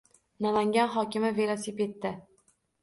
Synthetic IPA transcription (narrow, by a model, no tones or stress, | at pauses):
nalaŋɡʲanɦɒkʲɪmɪve̞lˠosiped̪ːɪ